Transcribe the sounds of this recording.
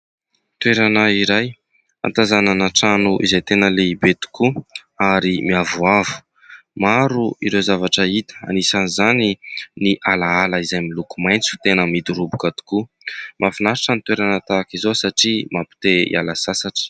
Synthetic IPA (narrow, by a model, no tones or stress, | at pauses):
t̪weɾanaiɾaj | a̰nt̪azananaʈ͡ʂanuʔizajt̪enəleibet̪u̥kuaɾimiavuavu̥ | maɾuiɾezavaʈ͡ʂəit̪ə̥a̰nisanizaniniʔalaaləizajmilukumajnt͡su̥t̪enəmid̪uɾubukat̪u̥ku | mʔafinaɾaʈ͡ʂənit̪weɾanət̪akizosaʈ͡ʂimapi̥t̪eḭa̰lasasaʈ͡ʂə̥